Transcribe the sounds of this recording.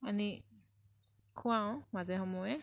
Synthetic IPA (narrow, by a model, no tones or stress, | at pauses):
ani | kʰʊwaw̃mazɛɦɔmɔjɛ